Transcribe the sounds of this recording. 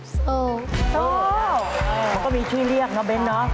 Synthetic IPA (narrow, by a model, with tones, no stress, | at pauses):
o˧˩o˨˧˨ | kɔ˨˦mḭ˨˧˩t͡ɕwi˧li˧˩əŋ̚nɔ˨˦ɓe˨˦nːɔ˨˦